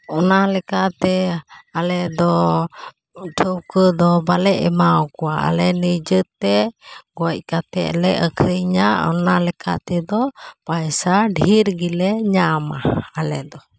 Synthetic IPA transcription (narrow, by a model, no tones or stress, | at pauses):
ɔnalɛkat̪ɛalɛd̪ɔ | ʈʰəwkəd̪ɔbalɛʔɛmawkuwaʔa̰lɛnəd͡ʒət̪ːɛɡɔc̚ˀkat̪ɛ̰lɛʔəkʰəjɲaɔ̰nalɛkʰa̰ʔt̪ɛd̪ɔpajsaɖʱiɾɡilɛɲama̰ːlɛd̪ɔ